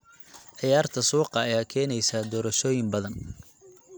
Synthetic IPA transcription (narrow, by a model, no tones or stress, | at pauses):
ʕɪjaːrt̪ʰɐsuːqɑɐjaːkʰɛːnɛjsaːd̪ɔːɾɐʃɔːjɪmbɐðɐn